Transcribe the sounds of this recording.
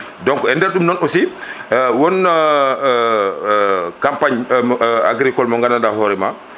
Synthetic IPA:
dɔŋkɔɛndɛɾɗumnɔnɔsi | wɔn | kampaɲ | a̰ɡɾikɔlmɔŋɡanandaɦɔɾɛma

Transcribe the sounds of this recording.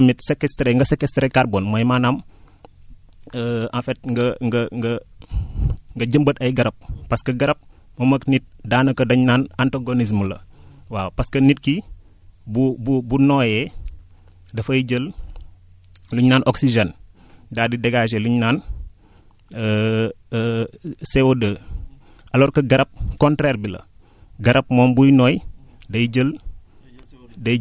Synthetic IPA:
mitsekɛstɾeŋɡɐsekɛstɾekaɾboːnmɐjmaːnam | əɐ̃fɛt̚ŋɡɐŋɡɐŋɡɐ | ŋɡɐɟəmbətɐjɡɐɾɐp̚pɐskɐɡɐɾɐp̚mɐmɐknit̚daːnɐkɐdɐɲnaːnantaɡonis̬mlɐ̰waːwpɐskɐnit̚ki | bububunɔːjɛ | dɐfɐjɟəl | luɲnaːnʔɔksiʒɛn | daːdidɛɡaːʃ̬eluɲnaːn | sewodəː | ʔɐlɔɾkɐɡɐɾɐp̚kɔntɾɛrbilɐ̰ | ɡɐɾɐp̚mɔːmbujnɔːjdɐjɟəl | dɐ

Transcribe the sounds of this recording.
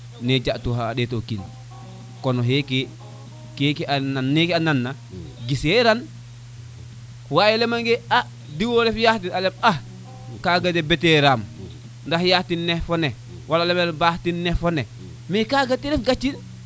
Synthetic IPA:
ned͡ʒaʔtuhaːɗetokḭn | konoɦeki | kekiʔananːikiananːa | ɡiseɾan | wajelemaŋɡea | diwolefjahtinalemah | kaɡadebeteɾam | ndahjahtinːefone | walalemelbahtinːefone | mikaɡatiɾefɡat͡ʃːin

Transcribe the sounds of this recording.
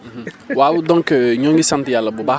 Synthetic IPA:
wawudɔ̃ŋkəɲɔ̃ŋɡisãntijalːabubaː

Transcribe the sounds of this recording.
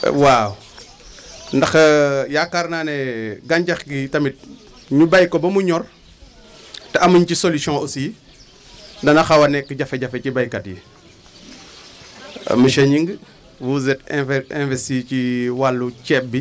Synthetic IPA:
waw | ndɐxjakaɾnanɛɡaɲɟɐxɡitɐmit̚ | ɲubajkobɐmuɲɔr | teɐmuɲt͡ʃisolisɔ̃usi | ndɐnɐxɐwɐnɛkːiɟɐfeɟafecibajkɐtjḭ | məʃɐɲiŋɡ | wuzɛtɛ̃fɛ̰̃nvɛstiːciwalːut͡ʃɛp̚bi

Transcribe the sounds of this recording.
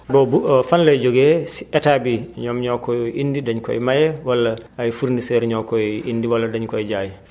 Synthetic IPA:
bɔbufanlajd͡ʒoɡɛsi̥ʔɛtabiɲɔmɲɔkːɔʔindidaɲkɔ̰ɛmajɛwalːaːjfuɾnisɛɾɲɔkɔiʔindiwalːadaɲkɔɛd͡ʒajɛ

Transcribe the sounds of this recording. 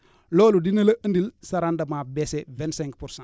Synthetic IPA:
loːludinɐlɐʔəndilsaɾandɐmabesevɛ̃ntsɛ̃ŋkpuɾsã

